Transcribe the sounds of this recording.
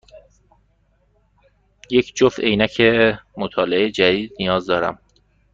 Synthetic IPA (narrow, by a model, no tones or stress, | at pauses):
je̞cʰd͡ʒofejnæcʰemot̪ʰɒːleejed͡ʒæd̪iːd̪nijɒːzd̪ɒːɾæ̰m